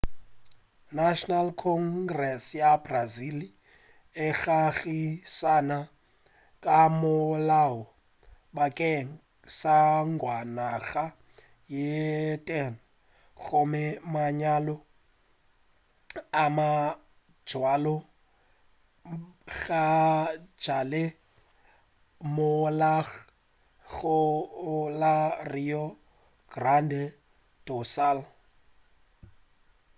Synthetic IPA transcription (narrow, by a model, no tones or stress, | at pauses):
naʃɔnalkʰɔŋɡrɛsjabrazili | ɛxaɣisana | kʼamɔlawɔ | ɓakʼɛ | saŋɡwanaɣa | jɛtʼɛn | xɔmɛmaɲalɔ | amḁ | d͡ʒwalɔ | ɣḁd͡ʒale | mʊla | ɣʊlarijɔ | ɡ̥randɛ | tʼɔsal